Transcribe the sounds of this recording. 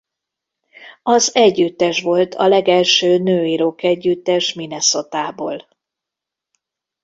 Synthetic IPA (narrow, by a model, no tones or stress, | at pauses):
ɒzɛɟːyt̪ːɛʃʋo̞lt̪ʰɒ̰lɛɡɛlʃøːnøːiɾokɛɟːyt̪ːɛʃminɛso̞t̪aːboːl